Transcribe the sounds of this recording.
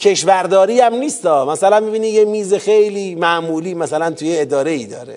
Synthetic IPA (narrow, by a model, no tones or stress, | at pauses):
cʰe̞ʃvæɾd̪ɒːɾiːæmniːst̪ɒːmæsælænmibiːnijemiːzexejliːmæʔmuːliːmæsælænt̪ʰujeed̪ɒːɾe̞iːd̪ɒːɾe